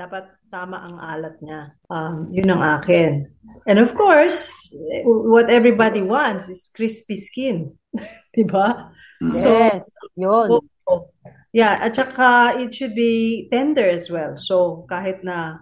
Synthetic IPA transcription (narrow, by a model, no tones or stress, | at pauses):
d̪aːpɐt̪̚ːaːmɐʔɐŋʔaːlɐt̪̚ɲaʔɐmjʊnːɐŋʔaːkɪn | ʔɛ̃nd̪ɔfkoɹs | wɐt̪ɛvɹibad̪iwãnt̪sɪskɹispiskɪn | d̪̥ɪba | sojo | o | jaʔɐt̪̚t͡ʃɐkaʔɪt̪̚ʃʊd̪̚bit̪ɛ̃nd̪ɛɹɐswɛlsokaːɦɪt̪̚nɐ